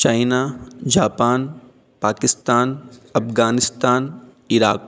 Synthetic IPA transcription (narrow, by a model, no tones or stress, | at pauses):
t͡ʃaːɪnad͡ʒaːpaːn | paːkɪst̪aːnɐfɡaːnɪst̪aːn | ɪɾa̰ːk̚